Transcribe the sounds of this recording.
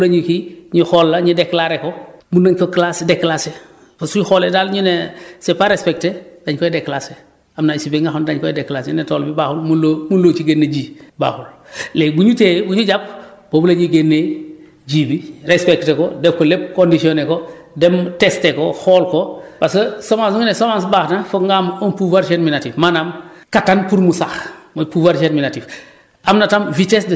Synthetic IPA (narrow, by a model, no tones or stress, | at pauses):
ulaɲikiɲixolːaɲideklaɾekomunaɲkoklasdekːlase | pasuxoledalɲinesepaɾespek̚ted̥aɲkoedekːlase | amnaisibeŋɡaxondaɲkoedekːlasinetolbibaːxulmulomunlot͡ʃiɡenːeɟiːba̰ːxul | lebuɲutebuɲuɟap̚ | b̥obulaɟiɡenːe | ɟiːbiɾespektekodekolep̚kondisioneko | demtestekoxoːlkopasɐsomansŋinesomans̬baxnafoŋɡamompuvaɾt͡ʃenminatifmanamkatanpuɾmusaxmupuvaɾt͡ʃenminatif | ʔamnatamvitesd